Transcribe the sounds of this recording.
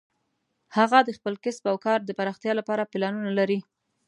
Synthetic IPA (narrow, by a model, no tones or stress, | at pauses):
haɣad̪əxpəlkɪspawkɑɾd̪əpaɾɑxt̪jɑlapɑɾapɪlɑnunalaɾi